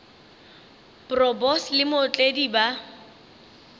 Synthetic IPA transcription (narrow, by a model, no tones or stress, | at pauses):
prɔbɔslɪmʊt͡ɬʼediba